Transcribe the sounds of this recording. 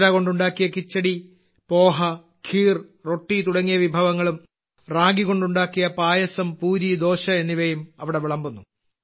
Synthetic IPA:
ɾako̞ɳɖuɳɖaːkːijɐkit͡ɕːɐɽi | po̞ːɦɐ | kʰiːrro̞ʈːit̪uɽɐŋːijɐʋibʱɐʋɐŋːɐɭum | raːɡiɣo̞ɳɖuɳɖaːkːijɐpaːjɐsɐmpuːɾid̪o̞ːɕɐe̞nːiʋɐjumɐʋiɽe̞ʋiɭɐmbunːu

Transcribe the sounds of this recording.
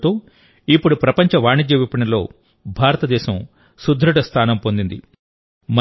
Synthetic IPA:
t̪oː | ipːuɽupɾɐpɐɲt͡ʃɐʋaːɳid͡ʒjɐʋipːɐɳɐlo̞ː | bʱaːɾɐt̪ɐd̪ɛːʃɐm | sud̪ʱːɾuɽɐst̪ʰaːnɐmpo̞nd̪ind̪ḭ | mɐ

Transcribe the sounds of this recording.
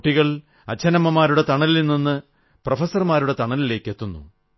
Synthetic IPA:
ʈːiɣɐɭ | ɐ̰t͡ɕʰːɐnɐmɐmaːɾuɽet̪ɐɳɐlilinːinːɨ | profɐsɐrmaːɾuɽe̞t̪ɐɳɐlile̞ːkʲːe̞t̪ːunːṵ

